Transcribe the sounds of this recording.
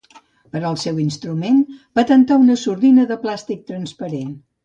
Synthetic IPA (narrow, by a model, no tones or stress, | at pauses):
pəɾəlˠsɛwinst̪ɾumenb̥at̪ənt̪aunəsuɾðinəðəplast̪ik̚t̪ɾənspəɾen